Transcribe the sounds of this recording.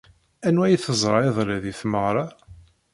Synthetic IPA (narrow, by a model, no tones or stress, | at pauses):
ænwæjθəzˤɾˤɑiðˤɾæðiθməʁɾˤɑ